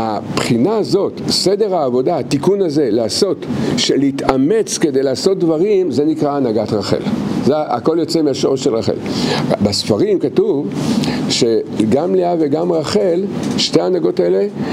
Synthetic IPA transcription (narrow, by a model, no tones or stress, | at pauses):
a̰pχinaːzo̞tsede̞ʁaːvo̞daat̪ikunaze̞laaso̞tʃeleitame̞t͡ske̞dejleaːso̞t̚dvaʁimzenikʁaːnaɡatʁaχḛlzea̰ko̞ljot͡semeaʃo̞ʁeʃelʁaχḛlbasfaʁimkatuvʃeɡamleaveɡamʁaχelʃteanaɡo̞tae̞le̞